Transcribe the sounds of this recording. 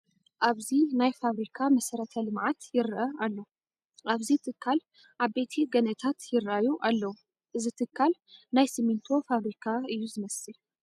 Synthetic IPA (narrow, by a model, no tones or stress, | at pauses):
ʔaβzinajfaβɾikʰamɐsɐɾɐt̪ʰɐlɨmʕat̪jɪɾʔɐʔalːɐwu | ʔaβzit̪ʰɨkʰːal | ʔaβbe̞t̪ʰiɡɐnɐt̪ʰat̪jɪɾʔajuʔalːɐwu | ʔɨzit̪ʰɨkʰːalnajsimint̪ʰo̞faβɾikʰaɨjːuzɨmɐsɨl